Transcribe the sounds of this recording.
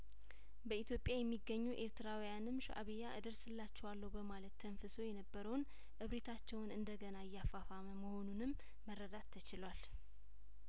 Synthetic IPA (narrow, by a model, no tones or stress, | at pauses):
bəit̪ʰjo̞pʼjajɛmːiɡːəɲːuʔe̞ɾt̪ɨɾawijanɨmʃa̰ʔa̰βejaʔɨd̪əɾsɨlːat͡ʃːɛwalːəwbəmalət̪ʰːənfəso̞jɛnəbːəɾəwn | ʔɨβɾet̪ʰat͡ʃːɛwnɨnd̪əɡənaɪjːafafaməməho̞nunɨmː | ərːəd̪at̪ʰːət͡ʃɪlwal